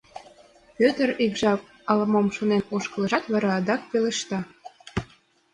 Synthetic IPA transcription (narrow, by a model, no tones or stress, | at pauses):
pøt̪əɾikʒɑk̚ | ɑləmomʃonenoʃkə̆lə̆ʒɑt̪βɑɾɑːd̪ɑk̚peleʃt̪ɑ